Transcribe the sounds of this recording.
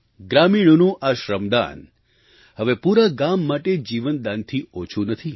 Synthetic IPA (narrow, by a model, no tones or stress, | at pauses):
ɡɾamiɳ̃onũʔaʃɾəmd̪a̰n | həʋepuɾaɡamːaʈed͡ʒiʋənd̪ant̪ʰiot͡ʃʰunət̪ʰi